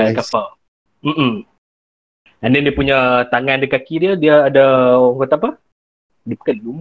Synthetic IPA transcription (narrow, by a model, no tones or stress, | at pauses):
akafa | m̩ʔm̩ | andandiəpuɲət̪aŋandəkakidiədiːdawət̪apa | diəpə̥kanluma